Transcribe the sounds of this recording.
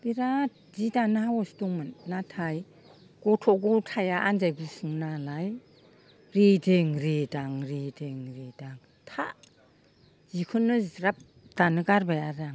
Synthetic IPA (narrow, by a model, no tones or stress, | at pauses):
biɾat̚zidanhawɔstuŋmanːatʰaj | ɡ̥ɔtʰɔɡutʰajaʔanzajɡusɯŋnalaj | ɾedeŋɾedaŋɾedeŋɾedaŋ | tʰa | z̥ikʰɯnɯɾap̚ | d̥anɯɡaɾbajaɾaŋ